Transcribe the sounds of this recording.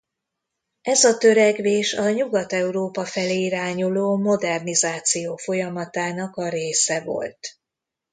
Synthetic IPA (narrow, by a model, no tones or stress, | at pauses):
ɛzɒt̪ø̞ɾɛɡveːʃɒɲuɡɒt̪ɛuɾoːpɒfɛleːiɾaːɲuloːmo̞d̪ɛrnizaːt̪sijoːfo̞jɒmɒt̪aːnɒkɒɾeːsɛvo̞̰lt̪